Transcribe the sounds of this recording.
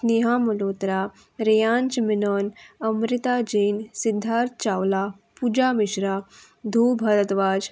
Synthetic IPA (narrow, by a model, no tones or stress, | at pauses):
niɦaməloːt̪ɾa | ɾejãːnt͡ʃminɔːnəmɾit̪ad͡ʑiːnsid̪ʱːaːɾt̪t͡ɕawla | pud͡ʒaːmiɕɾa | d̪ʱuːbʱəɾət̪ʋaːd͡ʑ